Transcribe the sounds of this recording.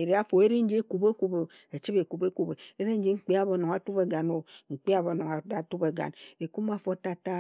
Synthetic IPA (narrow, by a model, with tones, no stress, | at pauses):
e˨ɾi˨˦a˦fo˨e˦ɾi˦n̩˦d͡ʒi˦e˦ku˨be˦ku˨˦bo˨ | e˨t͡ʃi˦be˨ku˨be˦ku˨be˨e˦ɾi˦n̩˦d͡ʒi˦ŋ͡m̩˦k͡pi˦a˦bo˨no˨ŋa˨tu˦be˨ɡa˨no˨ŋ͡m̩˨k͡pi˦a˨bo˨no˨ŋa˨a˨tu˦be˨ɡa̰˨ne˨ku˦m˦a˨fo˦ta˦ta˦